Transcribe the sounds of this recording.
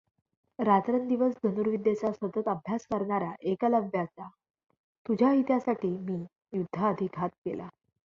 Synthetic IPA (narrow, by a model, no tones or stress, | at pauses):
ɾat̪ɾənd̪iʋəsɡʱənuɾʋid̪jet͡sasʋət̪ət̪əbʱjaskəɾɳaɾjaʔekaləbʱjat͡sa | t̪ud͡ʑʱjaɦit̪jasaʈiːmiː | jud̪ʱːaəd̪ʱikʰat̪̚ɡela